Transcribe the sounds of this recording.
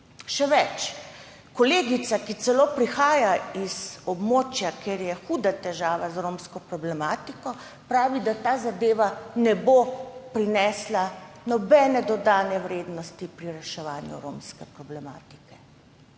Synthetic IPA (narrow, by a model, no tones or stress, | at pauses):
ʃɛʋɛt͡ʃ | kɔleːɡit̪sakit̪sɛloːpɾixaːjaizɔbmot͡ʃjakeɾjɛxuːd̪at̪ɛʒaːʋazɾoːmskɔpɾɔblɛmaːt̪ikɔ | pɾaːʋid̪at̪aːzad̪eːʋanɛbopɾinɛːslanɔbɛːnɛd̪ɔd̪aːnɛwɾeːd̪nɔst̪ipɾiɾɛʃɛʋaːnjṵɾomskɛpɾɔblɛma̰ːt̪i̥kɛ